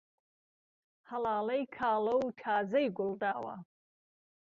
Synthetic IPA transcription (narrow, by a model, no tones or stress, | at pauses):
hɐlaːlɐjkʰaːlɐwtʰaːzɐjɡʊld̪aːwa̰